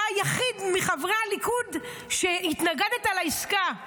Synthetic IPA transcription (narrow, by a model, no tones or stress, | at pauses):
ajaχidmiχavʁealikud | ʃehitnaɡedetalaiska